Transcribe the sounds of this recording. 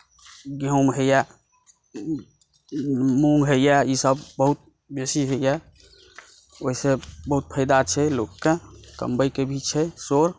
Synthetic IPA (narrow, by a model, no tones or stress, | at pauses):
ɡjəmɦəjɛ | muŋɡɦəijɛisəbbəɦut̪̚ | besiɦəijɛ | oɦisebəɦut̪̚pʰəɪd̪at͡ʃʰɛlokːekə̰mbəjkebʱit͡ʃʰɛsoɾ